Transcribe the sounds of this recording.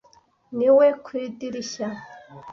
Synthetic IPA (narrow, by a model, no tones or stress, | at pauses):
niwɛkʷʰidiɾiʃa